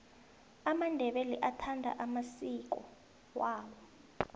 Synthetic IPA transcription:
amandʱɛɓeliʔatʰandʱa̰ʔamasik̬ɔ̰ | waːwɔ

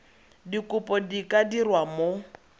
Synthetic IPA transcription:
dikʊpʼɔdikʼadirwamo

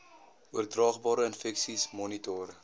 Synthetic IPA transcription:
uərdrɑːχbɑːɾəənfɛksismɔnitɔɾə

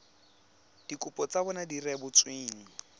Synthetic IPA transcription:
d̥ikʼʊpʼɔt͡sabɔnadirɛbʊt͡sweːŋ̩

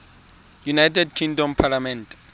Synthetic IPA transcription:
junajtʰɛdkʰĩŋdɔmpʰalamɛ̃nt

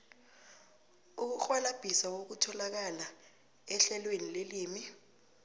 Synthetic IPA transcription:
uk̬uxwanab̥ʱisawok̬utʰɔlak̬ala | ɛɬɛlwenileliːmi

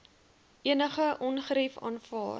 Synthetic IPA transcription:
ʔiənəχəʔɔnχəɾifɑ̰ːnfɑ̰ːr

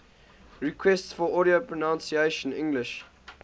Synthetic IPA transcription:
ɹikʰwɛstsfɔʔɔɾiopʰɹənãnsieʃə̃nɪ̰̃ŋɡlɪʃ

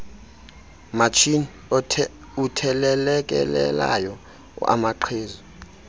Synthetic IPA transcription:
mat͡ʃʰinʰ | utʰɛlɛlɛk̬ʼɛ̰lɛ̰lajɔ̰ | a̰maǃʰeːzɔ

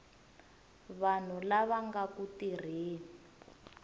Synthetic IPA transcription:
βan̤ulaβaŋɡakutir̤iːni

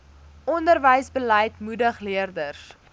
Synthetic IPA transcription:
ʔɔndərvəjsbələjtmudəχliərdərs

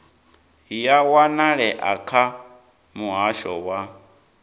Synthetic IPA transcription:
jawanaɺɛʔakʰa | muɦaʃɔwa

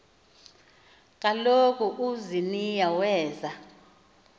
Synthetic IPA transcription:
k̬ʼalokʰʼuʔuzinijawɛːza

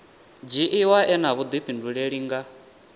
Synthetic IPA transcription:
d͡ʒiʔiwaʔɛnaβud̪iɸʰinduɺeɺiŋɡa

